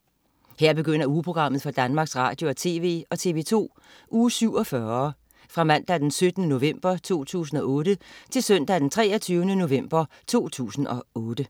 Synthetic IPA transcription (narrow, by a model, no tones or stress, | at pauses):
heɐ̰b̥e̝ɡ̥øn̰ɐuːpʰʁo̝ɡ̥ʁɑ̈m̰ð̞̩ˠfɒd̥ænmɑ̈ɡ̥sʁɑ̰̈ːd̥jo̝ɒt͡sʰe̝̰ːʋe̝̰ːɒ̽t͡sʰe̝ʋe̝ːt͡sʰo̝̰ː | ʔuːsyʊ̰ɒ̽fɶɐ | fʁɑ̈mæn̰d̥æd̥ensød̥ənəno̝ʋem̰b̥ɐt͡sʰo̝̰ːt͡sʰṵːs̬n̩ɒ̽ʔɔ̽ːd̥ət͡sʰe̝lsœn̰d̥æd̥ent͡sʰʁɛːɒt͡sʰyːʊənəno̝ʋem̰b̥ɐ | t͡sʰo̝̰ːt͡sʰṵːsn̩ʔɒ̽ɔ̽ːd̥ə